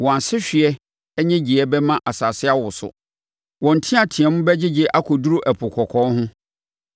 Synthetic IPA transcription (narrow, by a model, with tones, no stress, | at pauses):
wɔ̃˨a˨nsɪ˦ɕᶣɪ˨ɛ˦ | ɛ˦ɲɛ̃˦d͡ʑɪ˨ɛ˦bɛ˦mã˦ʔa˨sa˨sɪ˦a˦wʊ˨sʊ̰˨ | wɔ̃˨n̩˨tʰĩ˦a˨tʰɪ̃˨ɛ˨mʊ̃˦bɛ˦d͡ʑɪ˦d͡ʑɪ˦ʔa˦kʰɔ˨du˦ɾu˦ʔɛ˨pʰʊ˨kʰɔ˨kʰɔ̃˦nɦʊ̃˦